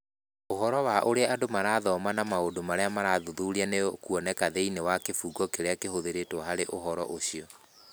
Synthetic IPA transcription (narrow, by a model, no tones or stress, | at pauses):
oɦɔɾɔwaʔoɾeaadomaɾaːðɔmanamaodomaɾeamaɾaðuðuɾianekuɔnɛkaðeinewakefuːɡɔkeɾeakeɦoðeɾetwɔɦaɾeʔoɦɔɾɔ̰ʔoɕiɔ